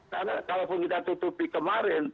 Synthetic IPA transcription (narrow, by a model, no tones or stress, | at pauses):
kanakalopʊnkit̪at̪ut̪upikəmaɾɛn